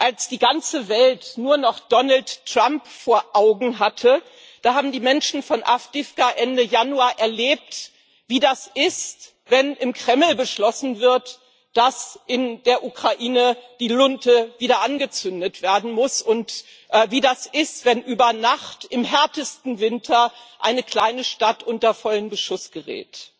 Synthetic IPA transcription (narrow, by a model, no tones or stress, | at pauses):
ʔalsd̥iːɡant͡səvɛltnuːɐnɔχd̥ɔnaltʁ̥ampfoːɐʔaʊɡŋ̩ɦatʰə | d̥aːhaːbm̩diːmɛnʃn̩fɔnʔa̰fd̥ɪfkaʔɛndəjanuaːʔɛɐleːp̚t | v̥iːdasɪst | vɛnɪmkʁ̥ɛml̩bəʃlɔsn̩vɪɐt | d̥asʔɪndeːɐʔukʁ̥aʔiːnəd̥iːlʊntəviːdɐʔanɡət͡sʏndətv̥eːɐdn̩mʊsʊnt | ʔɛviːdasɪstv̥ɛnʔyːbɐnaχtɪmɦɛɐtəstn̩vɪntʰɐʔa̰ɪnəkl̥aɪnəʃtatʔʊntɐfɔlənbəʃʊsɡ̥əʁɛ̰ːt